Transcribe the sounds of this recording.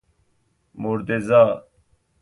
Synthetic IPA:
muɾt̪ezaː

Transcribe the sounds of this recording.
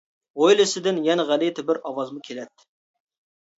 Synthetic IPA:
ojlɪsɪd̪ɪnjɛnɛʁælɪt̪ʰɪbɪɾɑwɑzmɨkʲʰelɛt̪ːɪ̥

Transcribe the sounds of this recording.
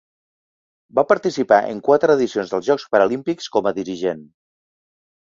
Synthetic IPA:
bapəɾt̪isipaʔə̰ŋkwat̪ɾəðisionzðəlˠzʒɔkspəɾəlimpikskɔməðiɾiʒen

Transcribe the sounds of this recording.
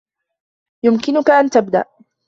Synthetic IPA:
jʊmkɪnʊkaʔant̪abd̪a̰ʔ

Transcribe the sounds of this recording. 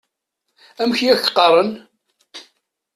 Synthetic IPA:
æmçijæç̥qːɑrˤən

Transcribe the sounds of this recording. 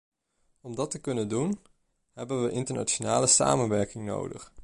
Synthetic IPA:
ɔmdɑtəkɵnəndun | ɦɛbənʋəʔɪntəɹna̰t͡ʃonaːləsa̰ːmənʋɛɹkɪŋno̰wdə̰χ

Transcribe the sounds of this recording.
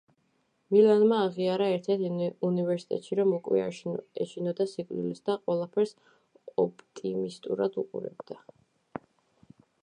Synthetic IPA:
milanmaːʁiaɾaɛɾt̪ʰɛɾt̪ʰunivɛɾsi̥t̪ʼɛ̰t̪ʼʃiɾɔmɔkʼwɛ̰ɛʃʰinɔd̪asikʼlḭlisd̪aqʼwɛlˠapʰɛɾs | ɔpʰʼt̪ʼimist̪ʼṵɾa̰d̪uqʼṵɾɛ̰bd̪̥a

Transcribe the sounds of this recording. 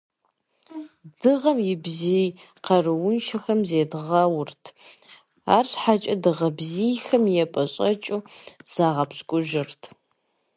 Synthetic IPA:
d̥ɨʁɐmjɪbzij | qɐrɨwʊnʃɐxɐmzeːdʁɐwʊrtʰ | a̰ːrɬħat͡ʃʼɐdɨʁɐbziːjxɐmjɛpʼɐɕʼɐt͡ʃʼuz̥aːʁɐpɕkʷʼʊʒɪrtʰ

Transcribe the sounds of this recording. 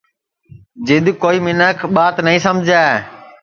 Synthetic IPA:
d͡ʒɪd̪koːiːmɪnəkʰɓaːt̪nəĩːsəmd͡ʒʱaː

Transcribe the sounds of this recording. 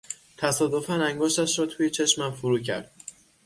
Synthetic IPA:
t̪ʰæsɒːd̪o̞fænæŋɡɒːʃt̪æʃɾɒːt̪ʰuːjet͡ʃʰe̞ʃmæmfuɾuːcʰæ̰ɾd̪̥̚

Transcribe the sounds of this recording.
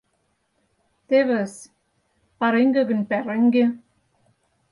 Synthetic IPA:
t̪eβɘ̆s | pɑɾeŋɡɘ̆ɡɘ̆npæɾɘ̆ŋɡe

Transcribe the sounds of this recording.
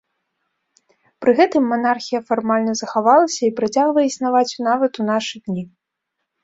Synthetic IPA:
pɾɨɣɛt̪ɨmːanarxʲijɐfarmalʲnɐzɐxavalˠɐsʲɐipɾat͡sʲaɣvɐjɛisnavat͡sʲunavɐt̪un̪aʂɨd̪ʲnʲi

